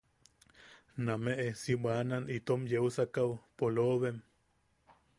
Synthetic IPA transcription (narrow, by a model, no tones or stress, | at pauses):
nameʔesibananʔit̪omjeusakawpoloβem